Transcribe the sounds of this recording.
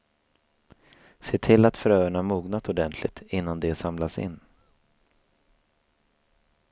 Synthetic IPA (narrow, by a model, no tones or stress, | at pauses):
seːt̪ʰɪlːat̪fœɾœːəɳamuːɡnat̪ɔd̪ɛnt̪ʰlɪ̰ɡ̚t̪ʰɪnːand̪ɛsamlasɪ̰nː